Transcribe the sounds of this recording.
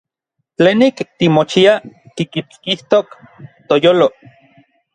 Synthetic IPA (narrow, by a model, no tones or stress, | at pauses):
t͡ɬeːnikt̪imot͡ʃiak̪ikit͡skiht̪ok | t̪ojoːlo